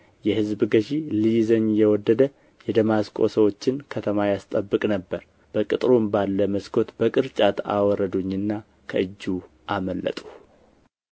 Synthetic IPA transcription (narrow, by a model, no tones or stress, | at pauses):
jɛhɨzbɨɡəʃilijzəɲjɛwɔd̪ːəd̪ə | jɛd̪əmaskʼo̞̰səwo̞t͡ʃːɪnkʰət̪ʰəmajast̪ʼəbːɨkʼnəbːəɾ | b̥əkʼɨt̪ʼɾombalːəməskʰo̞t̪bəkʼɨɾt͡ʃʼat̪ʰa̰wɔɾəd̪uɲːɨnːa | kʰəʔɨd͡ʒːu | ʔaməlːə̰t̪ʼu̥